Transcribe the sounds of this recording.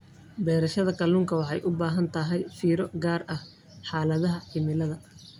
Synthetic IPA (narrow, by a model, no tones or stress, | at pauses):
bɛːɾɐʃɐðɐkʰɐluːŋkʰɐwɑħɑjʔʊbaːɦɐnt̪ʰɐɦɛjfiːɾɔɡaːrɐh | ħaːlɐðɐɦɐħɪmɪlɐðɐ